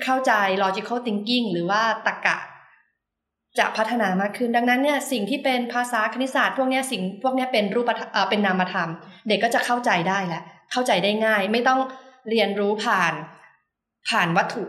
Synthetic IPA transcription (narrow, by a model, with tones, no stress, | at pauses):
kʰa˥˩wt͡ɕa˧jlɔː˧t͡ɕi˧kʰo˥˩t̪i˧ŋki˥˩ŋɾɯː˩˦waː˥˩t̪a˨˩ka̰ː˨˩ | t͡ɕa̰˨˩k̚ʰa˦˥t̪ʰːa˧naː˨˦maː˥˩kʰːɯ˥˩nda˧ŋna˦˥nːi˥˩ɐsi˨˩ŋt̪ʰiː˥˩pe˧npʰaː˧saː˩˦kʰa˧ni˦˥saː˨˩t̪̚pʰu˥˩ək̚ni˦˥ɐsi˨˩ŋpʰu˥˩əkni˦˥ɐpe˧nɾuː˥˩pːa˧t̪ʰʔəː˨˩pe˧nːaː˧mːa˧t̪ʰa˧mde˨˩kːɔː˥˩t͡ɕa˨˩kʰa˥˩wt͡ɕa˧jdaː˥˩jlɛ˦˥ʔkʰa˥˩wt͡ɕa˧jdaː˥˩jŋaː˥˩jma˥˩jt̪ɔ˥˩ŋɾi˧ənɾuː˦˥pʰaː˨˩n | pʰaː˨˩nwa˦˥t̪ʰːu˨˩ʔ